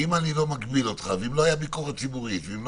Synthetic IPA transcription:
imanilo̞maɡbilot̪χa̰veimlo̞hajabikoʁett͡sibuʁitveiml

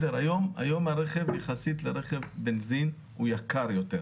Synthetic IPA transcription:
d̪eʁajo̞ma̰jo̞maɾeχe̞vneχasit̪leɾeχe̞vbenzin | hujakaɾjo̞t̪e

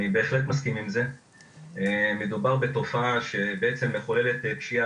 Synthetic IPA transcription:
nibe̞ːχle̞t̪maskimimze̞ | eme̞d̪ubaʁbe̞to̞faaʃe̞beet͡se̞mːe̞χule̞le̞t̪epʃia

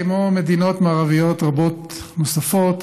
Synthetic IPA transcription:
momed̪ino̞t̪maːʁavijo̞t̪ʁabo̞t̪ | nosafo̞t̪

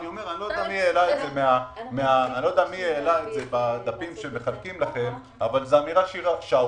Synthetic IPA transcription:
nio̞meʁanlo̞d̪amieːlaetze̞meameaːnilo̞d̪eamijeːlaetzebad̪apimʃeme̞χalkimlaχe̞m | avalzeamiʁaʃiʁaʃa

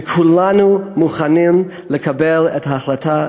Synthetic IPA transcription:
kʰulanumuχanim | lekʰabɛlɛthaːχlatʰa

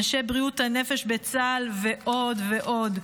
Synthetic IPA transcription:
lʃebʁiut̪hane̞fe̞ʃbet͡salve̞ʔʔo̞dve̞ʔo̞d

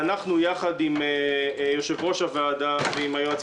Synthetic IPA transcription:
anaχnujaχad̪imejo̞ʃe̞vʁo̞ʃaveaːd̪aveimajoat͡s

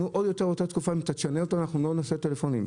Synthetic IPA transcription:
uʔo̞d̪jo̞t̪e̞ot̪at̪kufaimt̪atʃaneo̞t̪oanaχnulo̞naset̪elefo̞nḭm

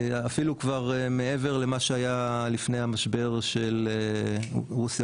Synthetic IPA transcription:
afilukvaʁme̞e̞ve̞ʁle̞maʃeajalifne̞jhamaʃbe̞ʁʃele | ʁusja

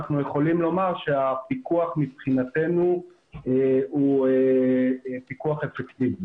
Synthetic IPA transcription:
χnujeχo̞limlo̞maʁʃeapikuaχmipχinate̞nu | eue | pikuaχefekt̪ivi

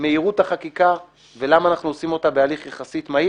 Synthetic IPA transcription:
me̞iʁuthaχakika | velamaːnaχnuosimo̞tabealiχjaχasitmai

